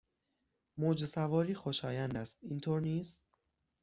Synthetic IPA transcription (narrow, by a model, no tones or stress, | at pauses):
moːd͡ʒesævɒːɾiːxoʃɒːjænd̪æst̪̚iːnt̪ʰoːɾniːst̪